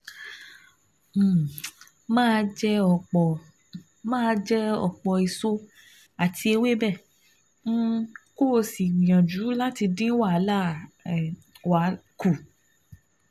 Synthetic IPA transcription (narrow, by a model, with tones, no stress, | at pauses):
mãː˦˧d͡ʒɛ˦ɔ˨k͡pɔ˧ | mãː˦˧˦d͡ʒɛ˦ɔ̰˨k͡pɔ˨i˨so˦ | a˨tʰi˧e˧we˦bɛ̃˦˨˦ | ko˦˧˨si˨mĩ˨j̃ã˨d͡ʒu˨˦la˦ti˧dĩ˦wa˦˨˦la˦˨ | wa˨˦ku˨